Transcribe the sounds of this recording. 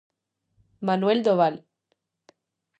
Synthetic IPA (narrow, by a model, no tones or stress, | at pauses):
manweld̪oβal